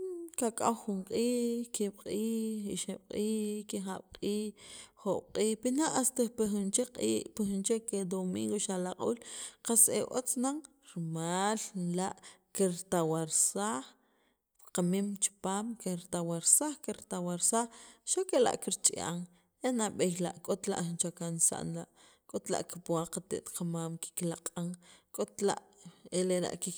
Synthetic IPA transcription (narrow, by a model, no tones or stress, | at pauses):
kakʼawχuɴqʼiːkiɓ̥qʼiːiʃeɓ̥qʼiːkiχaɓ̥qʼiːo̥qʼiːhpinaʔast̪epexunt͡ʃeqʼiːʔpixunt͡ʃeked̪omḭːŋɡoʃalaqʼṵːlqasḛʔo̰t͡snaŋ | ɾmaːllaʔkiɾt̪awaɾsaːχ | qamimt͡ʃi̥paːmkeɾt̪awaɾsaχkiɾt̪awaɾsaχʃakela̰ʔkiɾt͡ʃʼiʔa̰ŋ | enaɓejlaʔkʼot̪la̰ʔxint͡ʃakansa̰ʔnlaʔ | kʼot̪la̰ʔkipuaqat̪ḛʔt̪qʰamaːmki̥klaqʼaŋkʼot̪la̰ʔ | eleɾa̰ʔki